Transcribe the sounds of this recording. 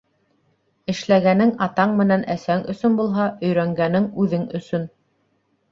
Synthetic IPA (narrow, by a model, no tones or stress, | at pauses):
ɘ̆ʃlæɡænɘŋɑt̪ɑɴmɘ̆nænʔæsæŋɵ̆sɵnbulˠɦɑʔɵ̆jɾæŋɡænɘŋʉðɘŋɵ̆sɵn